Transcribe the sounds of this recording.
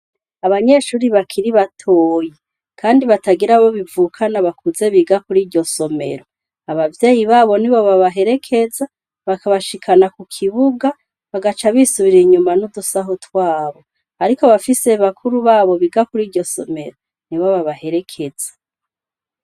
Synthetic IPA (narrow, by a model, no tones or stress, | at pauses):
aβaɲe̞ʃuːɾiβakʰiɾiβatʰoːje | kʰaːndiβataɡiɾaβo̞βivuːkʰanaβakuze̞βiɡakuɾiːɾɟo̞so̞me̞̰ɾo̞ | aβavje̞ːjiβaːβo̞niβo̞βaβaɦe̞ɾe̞kʰe̞za | βakaβaʃikʰanakukʰiβuɡa | βaɡat͡ʃaβisuβiɾeiɲumanudusaɦotwaːβo̞ | aɾiko̞βafise̞βakʰuɾuβaːβo̞βiɡakuɾiːɾɟo̞so̞me̞ɾo̞ | niβoβaβahe̞ɾe̞kʰe̞z̥ḁ